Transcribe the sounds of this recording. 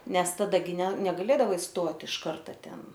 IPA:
ˈnʲɛs tɐˈdɐ ɡʲɪ nʲɛ nʲɛɡɐˈlʲeːdɐʋɐɪ ˈstoːt ɪʃ ˈkɐrtɐ ˈtʲɛn

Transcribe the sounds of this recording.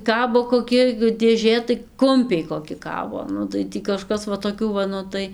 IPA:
ˈkɑːboː koːˈkʲɪ dʲeːˈʒʲeː tɐɪ ˈkʊmʲpʲɛɪ koːˈkʲɪ ˈkɑːboː ˈnʊ tɐɪ ˈtʲiː kɐˈʃkɐs ʋɐ toːˈkʲuː ʋɐ ˈnʊ tɐɪ

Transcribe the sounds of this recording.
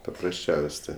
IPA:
pɐprɐsʲˈt͡ʃʲɛʊsʲ ˈtʲeː

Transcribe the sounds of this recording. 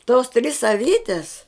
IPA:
toːs tʲrʲɪs ɐˈʋʲiːtʲɛs

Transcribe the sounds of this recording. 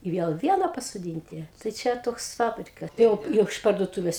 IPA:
ɪ ˈʋʲiɛlˠ ˈʋʲiɛnɐ pɐsoːˈdʲiːnʲtʲɪ tɐɪ ˈt͡ʃʲɛ ˈtoːks ˈfɑːbʲrʲɪkɐ ˈjɛʊ ˈjɛʊ ɪʃ pɐrduɔˈtuːʋʲɛs

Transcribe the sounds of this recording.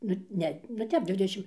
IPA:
ˈnʊ ˈnʲɛ nʊ ˈtʲɛp ˈdʲʋʲɪdʲɛʃʲɪm

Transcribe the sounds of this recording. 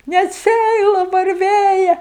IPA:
nʲɛt ˈsʲæɪlˠɐ ʋɐrʲˈʋʲeːjɛ

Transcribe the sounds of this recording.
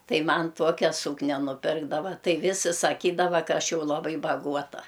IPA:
ˈtɐɪ ˈmɐn ˈtuɔkʲɛ ˈsuːknʲɛ nʊˈpʲɪrɡdɐʋɐ ˈtɐɪ ˈʋʲɪsʲɪ sɐˈkʲiːdɐʋɐ ˈkɐ ˈɐʃ ˈjɛʊ lˠɐˈbɐɪ bɐˈɡuɔtɐ

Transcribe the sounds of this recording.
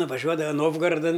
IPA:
nʊʋɐˈʒʲuɔdɐʋɐ ˈnoːwɡɐrɐdɐn

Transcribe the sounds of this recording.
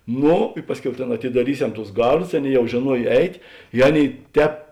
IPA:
ˈnoː ɪ ˈpɑːsʲˌkʲɛʊ ˈtʲeːn ɐtʲɪdɐˈrʲiːˌsʲɛm tʊs ˈɡɐrˌdʊs ˈɑːˌnʲeːɪ ˈjɛʊ ʒʲeːˈnuɔj ˈɛɪtʲ ɪ ˈɑːˌnʲeːɪ ˈtʲɛːp

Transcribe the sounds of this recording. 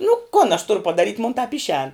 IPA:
nʊ kʊn ɐʃ ˈtʊrʊ pɐdɐˈrʲiːtʲ moːn tɐp ˈɪʃʲɛːn

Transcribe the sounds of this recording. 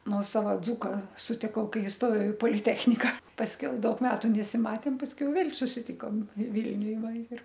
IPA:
ˈnuɔsɐʋɐ ˈd͡zuːkɐ sʊtʲɪˈkɐʊ ˈkɐɪ ɪsˈtoːjɛʊ ɪ poːlʲɪˈtʲæːxʲnʲɪkɐ pɐsʲˈkʲɛʊ ˈdɐʊk ˈmʲæːtʊ nʲɛsʲɪˈmɑːtʲeːm pɐsʲˈkʲɛʊ ˈʋʲeːlʲ sʊsʲɪˈtʲɪkoːm ˈʋʲɪlʲnʲʊj ˈʋɐ ɪr

